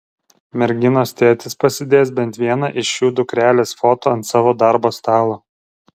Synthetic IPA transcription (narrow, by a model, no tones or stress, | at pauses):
mʲɛɾʲɡʲɪnoːst̪ʲeːt̪ʲɪspɐsʲɪd̪ʲeːsbʲɛnʲˑt̪ʲʋʲiɛnɑʔɪʃjuːd̪ʊkɾʲæːlʲeːsfoːt̪oːɐnt̪sɑːʋoːd̪ɑɾboːst̪ɑːlˠo